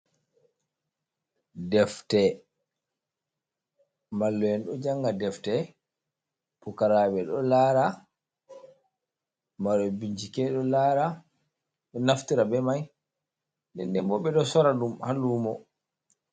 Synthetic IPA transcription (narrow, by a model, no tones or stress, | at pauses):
dɛftɛ | malːɔjɛnɗɔd͡ʒaŋɡadɛftɛ | pukaɾaɓɛɗɔlaːɾa | maɗɔbiɲd͡ʒikɛɗɔlaɾa | ɓɛnaftiɾabɛmaj | dɛ̰ndɛmbɔbɛɗɔsɔɾadumhaluːmɔ